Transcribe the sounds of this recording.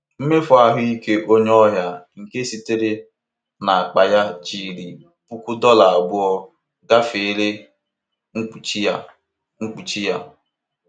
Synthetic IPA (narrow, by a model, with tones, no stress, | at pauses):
m̩˦me˦fɔ˦a˨ɦʊ˦i˦ke˦ʔo˦ɲ˦ɔ˦ɦja˦ŋ̩˨ke˦si˨te˦ɾe˦ | na˨a˨k͡pa˨ja˦t͡ʃi˨ɾi˨ | pu˦kʷu˦dɔ˦la˨a˨ɡ͡bʊ˦ɔ˦ | ɡa˦fe˨˦le˦ | ŋ̩˦k͡pu˨t͡ʃi˦ja˦˨ | ŋ̩˦k͡pu˨t͡ʃi˦ja˦